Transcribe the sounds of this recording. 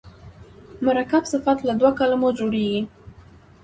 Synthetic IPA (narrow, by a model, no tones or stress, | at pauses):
maɾakabsɪfat̪lad̪wakalamod͡ʒoɽeɡi